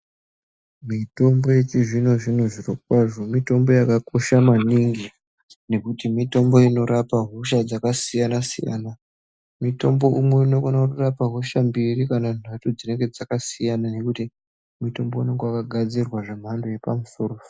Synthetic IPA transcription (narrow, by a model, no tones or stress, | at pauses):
mito̞mbo̞je̞t͡ʃiʐino̞ʐinoʐirokwaʐo̞mito̞mbo̞jakako̞ʃamaniŋɡi | ne̞kutimito̞mbo̞ino̞ɾapaɦoʃad͡zakasijanasḭja̰na | mito̞mbo̞ʔumweino̞konakurapaɦoʃambirikanan̤atod͡zine̞ŋɡe̞d͡zakasijanane̞kuti | mito̞mbo̞ine̞ŋɡoakaɡʱad͡zirwaʐe̞m̤andoje̞pamuso̞rofo